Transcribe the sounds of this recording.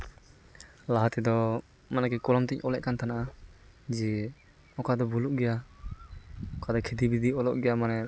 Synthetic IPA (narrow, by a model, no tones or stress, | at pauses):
laɦat̪ɛd̪ɔ | manakɛkɔlɔmt̪icɔlɛʔkant̪anaʔa | d͡ʒɛ | ɔkad̪ɔbuluʔɡɛja | ɔkad̪ɔkʰid̪ibid̪iɔlɔʔɡɛjamanɛ